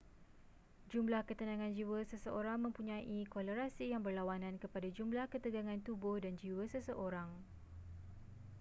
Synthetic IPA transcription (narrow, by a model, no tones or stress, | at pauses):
d͡ʒumlahkət̪ənãŋãnd͡ʒiwəsəsəʔoɾaŋmə̃mpuɲãʔikɔləɾasijaŋbərlawanãnkəpadad͡ʒumlahkət̪əɡaŋãnt̪ubohdand͡ʒiwəsəsəʔoɾaŋ